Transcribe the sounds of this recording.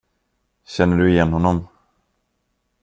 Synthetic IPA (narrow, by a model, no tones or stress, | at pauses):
ɕɛnːəɖɵɪjɛnːhɔnːɔm